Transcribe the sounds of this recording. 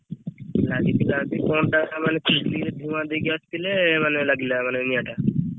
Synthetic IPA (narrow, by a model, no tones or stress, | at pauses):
lad͡ʒit̪ilad̪ikɔnʈakamanekʰiʃlied̪ʱumad̪eɡiast̪ilemanelaɡilamanenijaʈa